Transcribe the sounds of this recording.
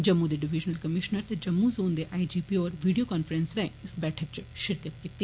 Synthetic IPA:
d͡ʒɐmːud̪eɖɪʋid͡ʒnɐlkɐmɪʃnɐɾt̪ɐd͡ʒɐmːuzoːnd̪eʔaːid͡ʒiːpiɔːɾʋiːɖijokaːnfəɾensɾɐ̃ɪsbɛːʈʰək̚t͡ʃʃɪɾkətt̪kit̪ːi

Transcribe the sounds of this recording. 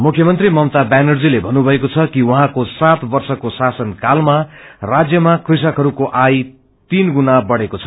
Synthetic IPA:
mukʰjʌmʌnt̪rimʌmt̪abanʌrd͡zilebʱʌnːubʱʌekot͡sʰʌkiwʌɦãkosat̪bʌrsʌkosasʌnkalmarad͡zjʌmakris̬ʌkɦʌɾukoʔaj | t̪inɡunabʌɽekot͡sʰʌ̥

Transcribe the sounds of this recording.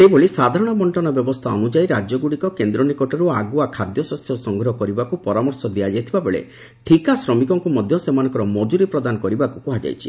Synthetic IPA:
eboɭisad̪ʱaɾɔɽ̃ɔbɔɳʈɔnabjɔbɔst̪ʰaɔnud͡ʒajɾad͡ʒjɔɡuɽikɔkend̪ɾɔnikɔʈɔɾuaɡuakʰad̪jɔsɔsjɔsɔŋɡʱɾɔɦɔkɔɾibakupɔɾamɔɾsɔd̪iad͡ʒajt̪ʰibabeɭḛ | ʈʰikasɾɔmikɔŋkumɔd̪ʱjɔsemanɔ̃ŋkɔɾɔmɔd͡ʒuɾipɾɔd̪anɔkɔɾibakukuɦad͡ʒa̰jt͡ʃʰi̥

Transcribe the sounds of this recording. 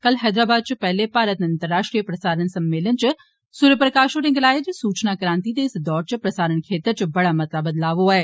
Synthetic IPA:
kɐlɦɛːd̪ɾaːbaːd̪̚t͡ʃpɛɦlepaːɾət̪nɐ̃nt̪əɾːaːʃʈɾijəpɾɐsaːɾənsɐmːeːlənt͡ʃɪ | suːɾjəpɾəkaːʃoɾẽŋɡɐlaːed͡ʒsuːt͡ʃnakɾãːnt̪it̪eɪsd̪ɔːɾt͡ʃpɾɐsaːɾəɳkʰeːt̪əɾt͡ʃbɐɽamɐt̪labɐd̪laːʋoaːeː

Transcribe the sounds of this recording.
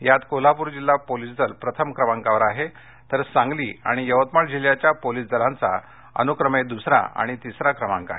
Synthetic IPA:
jat̪kolapuːɾd͡ʑilːapolisd͡z̪əlpɾət̪ʰəmkɾəmãŋkaʋəɾaɦe | t̪əɾsãŋɡliːaɽ̃ijəʋət̪məʈd͡ʑiljat͡ɕjapolisd͡z̪əlãnt͡sa̰ | ə̰nukɾəmed̪usɾã̰a̰ɽ̃it̪isɾakɾəmã̰ŋka̰ɦe

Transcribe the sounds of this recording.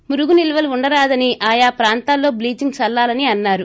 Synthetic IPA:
muɾuɡunilɐʋɐluuɳɖɐɾaːd̪ɐniʔaːjaːpɾaːnt̪aːlːo̞ːbliːt͡ʃiŋɡt͡ʃɐlːaːlɐniɐnːaːɾu

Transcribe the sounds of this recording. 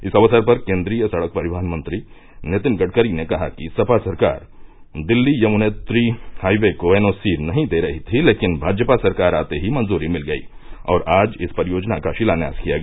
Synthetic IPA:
ɪsɐʋəsəɾpɐɾkẽːnd̪ɾiːjəsɐɽək̚pɐɾɪd̪ʱaːnmə̃nt̪ɾi | net̪ɪnɡɐʈ̚kəɾinekɐɦakisɐpasɐɾka̰ːɾ | d̪ɪlːijɐmʊnet̪ɾihaːjʋekoʋeːnoːsiːɾnɐɦĩd̪eɾɐɦit̪ʰileːkɪnbʱaːd͡ʒəpasɐɾkaːɾaːt̪eɦimɐ̃nzuːɾimɪlɡɐḭɔːɾaːd͡ʒɪspɐɾɪjoːd͡ʒnakaʃɪlanja̰ːskijaɡ

